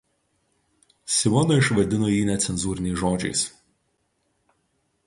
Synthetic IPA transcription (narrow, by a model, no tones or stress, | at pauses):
sʲɪʋɔnɐɪʃʋɐd̪ʲɪnoːjiːnʲɛt̪sʲɛnzuːɾʲɪnʲɛɪʒoːd͡ʒʲɛ̰ɪs